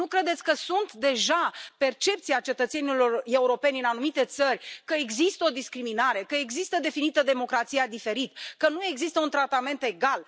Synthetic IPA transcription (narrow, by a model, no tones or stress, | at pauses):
nukɾe̞d̪et̪sʲkəsunt̪d̪e̞ʒape̞rt͡ʃe̞p̚t̪siat͡ʃet̪ət̪se̞nilo̞re̞uɾo̞pe̞nʲɨnanumit̪e̞t̪sərʲkəeɡzist̪əo̞d̪iskɾiminaɾe̞kəe̞ɡzist̪əd̪e̞finit̪əd̪e̞mo̞kɾat̪sijad̪ife̞ɾit̪kənue̞ɡzist̪əunt̪ɾat̪ame̞nt̪e̞ɡal